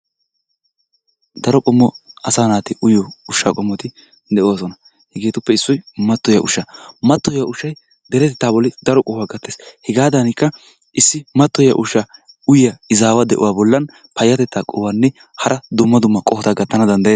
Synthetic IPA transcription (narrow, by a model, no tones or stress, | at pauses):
d̪ɐɾɔkʼɔmːɔɐsaːnaːt̪ɪʔʊjɔʊʃːa̰ːkʼɔmːɔt̪ɪ | d̪ɛʔoːsɔnɐ | hɛɡeːt̪ʊpːɛɪsːɔjmɐt̪ːɔjɐʔʊʃːɐmɐt̪ːɔjɐʔʊʃːɐj | d̪ɛɾɛt̪ɛt̪ːaːbɔlːɪd̪ɐɾɔkʼɔhʊwaɡɐt̪ːeshɛɡaːd̪ɐnɪkːɐ | ʔɪsːɪmɐt̪ːɔjɐ̰ʔʊʃːɐ | ʊjjɐɪzaːwɐd̪ɛ̰ʔʊ̰waːbɔlːɐn | pɐjːɐt̪ɛt̪ːaːkʼɔwɐnːɛ | hɐɾʔɐd̪ʊmːɐd̪ʊmːɐkʼɔhɔt̪aɡɐt̪ːɐnɐd̪ɐnd̪ɐjeː